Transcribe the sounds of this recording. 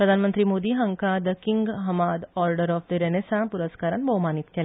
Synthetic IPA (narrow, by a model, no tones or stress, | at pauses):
pɾəd̪ʱanmənt̪ɾiːmod̪iːɦəŋkad̪əkiŋɡɦəmad̪ɔɾɖəɾɔfd̪əɾenesãpuɾəskaɾa̰nbʱomanit̪kela